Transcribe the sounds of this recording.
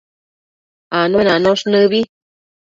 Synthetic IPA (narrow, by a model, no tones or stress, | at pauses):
anonanoʂnɨβi